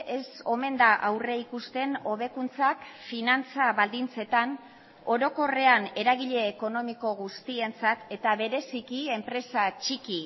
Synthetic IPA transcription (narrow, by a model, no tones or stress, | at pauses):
e̞so̞me̞nd̪aʔawre̞ikust̪e̞no̞βe̞kunt͡sakfinant͡saβald̪int͡se̞t̪an | o̞ɾo̞ko̞re̞ane̞ɾaɣiʎe̞ːko̞no̞miko̞ɣ̞ust̪ie̞nt͡sat̪e̞t̪aβe̞ɾe̞sikie̞mpɾe̞sat͡ʃiki